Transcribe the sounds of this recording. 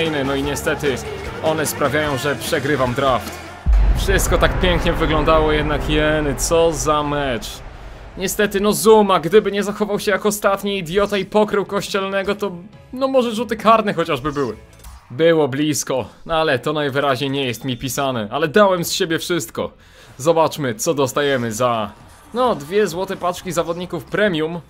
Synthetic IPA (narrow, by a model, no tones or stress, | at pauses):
jnɛnɔiɲɛst̪ɛt̪ɘ | ɔnɛspɾavʲjajɔ̃w̃ʐɛpʂɛɡɾɘvamd̪ɾaft̪ | fʂɘst̪kɔt̪akpʲjɛŋkɲɛvɘɡlɔ̃nd̪awɔjɛd̪nakjɛnt̪sɔzamɛt͡ʂ | ɲɛst̪ɛt̪ɘnɔzumaɡd̪ɘbɘɲɛzaxɔvawɕɛjakɔst̪at̪ɲiːd̪ʲjɔt̪aipɔkɾɘwkɔɕt͡ɕɛlnɛɡɔt̪ɔ | nɔmɔʐɛʐut̪ɘkʰaɾnɛxɔt͡ɕaʐbɘbɘwɘ | bɘwɔblʲiskɔnalɛt̪ɔnajvɘɾaʑɲejɲɛjɛst̪mʲipʲisanɛalɛd̪awɛmsɕebʲjɛfʂɘst̪kɔ̰ | zɔbat͡ʂmɘt̪sɔd̪ɔst̪ajɛmɘza | nɔd̪vʲjɛzwɔt̪ɛpat͡ʂkʲizavɔd̪ɲikufpɾɛmʲjum